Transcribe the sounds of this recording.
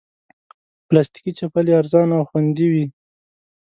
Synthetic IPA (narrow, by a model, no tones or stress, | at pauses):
plast̪i̥kit͡ʃapaliaɾzɑnawxwand̪iwi